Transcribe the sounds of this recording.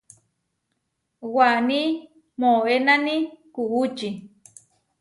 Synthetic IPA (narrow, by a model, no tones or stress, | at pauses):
wani | moenanikuʔut͡ʃi